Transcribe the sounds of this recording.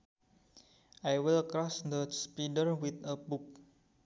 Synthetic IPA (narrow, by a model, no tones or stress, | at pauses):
ʔajwilkɾɔsd̪əspidəɾwit̪əbuk̚